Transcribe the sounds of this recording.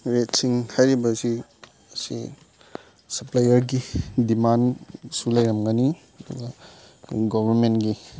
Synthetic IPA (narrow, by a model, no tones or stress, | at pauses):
ɾetsiŋhajɾibɐsi | ɐsḭ | sɐplajɐɾɡidimansulɐjɾɐmɡani | ɐduɡɐ | ɡɔbʱɐɾmentɡi